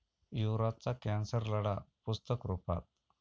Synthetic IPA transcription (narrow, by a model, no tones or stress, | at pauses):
juɾat͡sakænsəɾləɽapust̪əkɾupa̰t̪̚